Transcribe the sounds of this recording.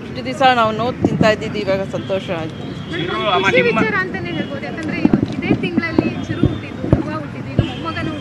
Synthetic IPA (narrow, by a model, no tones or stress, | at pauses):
iʈud̪isaːnaːʋunoːt̪int̪aːjd̪id̪iiʋaːɡɐsɐnt̪oːʃɐaːɡit̪ːu | ʋit͡ʃaːɾaɐnt̪ɐneːniɾboːd̪ent̪ɐnd̪ɐɾeiʋɐt̪ːid̪eːʈ̪iŋɡɐɭɐlːiʃuɾuuʈːid̪ːut̪uʋaːuʈːid̪ːuinːuɦumɐɡɐnu